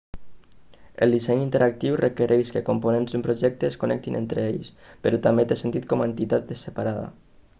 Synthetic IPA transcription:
ə̰lˠd̪isɛɲint̪eɾak̚t̪iwrəkəɾʔeʃkəkomponenzd̪umpɾoʒɛk̚t̪əːskonɛ̰k̚t̪inʔḛnt̪ɾəeʎspəɾɔt̪ambet̪esent̪it̪̚kɔmaent̪it̪at̪̚d̪əsəpaɾaða̰

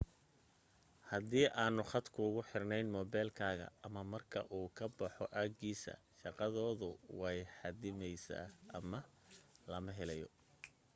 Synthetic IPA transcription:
hɐd̪iːʔaːnʊχɑd̪kʰʊʊɣʊħɪrnɛjnmɔːbɛlkʰaːɣɐ̰ːmɐmɐrkʰɐʔuːkʰɐbɑħɔʔaːɡɡiːsɐ̰ʃɑqɑðɔːðʊwɛjħɑd̪ɪmɛjsa̰ːɐmɐ | lɐmɐɦɛlɛjɔ̰

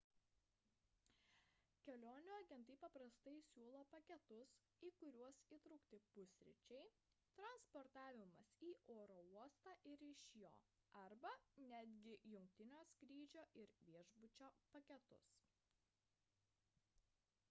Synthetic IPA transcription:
kʲɛlʲoːnʲuɐɡʲɛnˑt̪ɐɪpɐpɾɐst̪ɐɪsʲuːlˠoːpɐkʲɛt̪ʊs | iːkʊɾʲuɔsiːt̪ɾʊkt̪ʲɪpʊsʲɾʲɪ̰t͡ʃʲɛɪ | t̪ɾɐnspɔɾt̪ɑːʋʲɪmɐsiːʔoːɾoːuɔst̪ɑːʔɪɾɪʃʲjo̰ː | ɐɾbɐnʲæːd̪ʲɡʲɪjʊŋʲk̚t̪ʲɪnʲoːsʲkɾʲiːd͡ʒʲoːʔɪɾʋʲiɛʒbʊt͡ʃʲoːpɐkʲɛt̪ʊ̰s

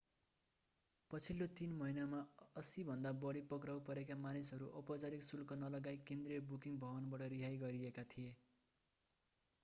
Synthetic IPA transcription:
pʌt͡sʰilːot̪inmʌɦinamaʌsibʱʌnd̪abʌɽipʌkrawpʌɾekamanisɦʌɾuʔʌpʌd͡zaɾiksulkʌnʌlʌɡajkend̪riʌbukiŋbʱʌβʌnbʌʈʌɾiɦajɡʌɾiekat̪ʰije

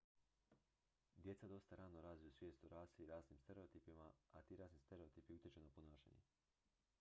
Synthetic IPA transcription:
d̪je̞t̪sad̪o̞st̪aɾaːnoɾaːzʋijusʋjeːst̪uɾaːsiiɾaːzniːmst̪e̞ɾe̞ot̪iːpimaat̪iɾaːznist̪eɾe̞o̞t̪iːpijut̪ʲjet͡ʃenaponaːʃḛɲḛ

